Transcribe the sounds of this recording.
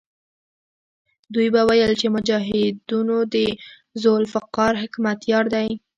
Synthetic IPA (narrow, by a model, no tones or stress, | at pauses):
d̪ujbawajəlt͡ʃemʊd͡ʒɑɦɪd̪unod̪ə | zolfaqɑɾɦɪkmat̪jɑɾd̪aj